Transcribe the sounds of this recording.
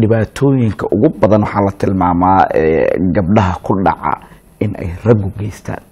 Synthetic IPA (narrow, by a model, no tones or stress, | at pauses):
ɖɪβaːt̪ʰɔːjɪŋkʰɐʔʊɣʊbɐðɐnwɑħɑːlɐt̪ʰɪlmaːmaːɛ̰ːɡɐb̚ɖɐɦɐkʰʊɖɑ̰ʕɑ̰ | ɪnʔɛ̰jrɐɡʊɡɛjst̪ʰa̰ːn